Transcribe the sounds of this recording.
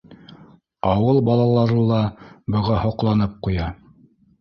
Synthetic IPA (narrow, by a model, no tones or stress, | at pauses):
ɑwɤlˠbɑlˠɑlˠɑɾɤlˠɑbɤ̆ʁɑhŏqlˠɑnɤp̚qujɑ